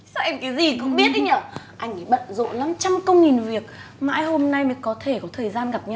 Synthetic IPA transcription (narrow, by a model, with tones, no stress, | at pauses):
sa˧ʔɛ˧mkaː˨˦jzi˨˩kʊ̰˧˥ŋ͡mɓi˦˥ət̚ʔi̟˨˧˦əː˧˩ʔa˧jŋ̟ʔaː˨˦ɓə̰˧˨nzo̰˧˨la˨˦mt͡ɕa˧mkə˧wŋ͡mŋi˨˩nvi˨˩ək̚ma̰ː˧˥˨jho˧mna˧jmə˨˦jkɔ˨˦t̪ʰe˧˩kɔ˨˦t̪ʰəː˨˩jzaː˧nɣa˨˩p̚ɲa˧w